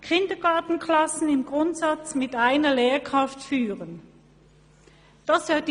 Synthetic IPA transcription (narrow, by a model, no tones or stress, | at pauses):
kʰɪndɐɡaɐtn̩kʰlasn̩ɪmɡʁʊntsat͡smɪtaɪnɐleːɐkʁ̥aftfyːʁən | d̥asad̥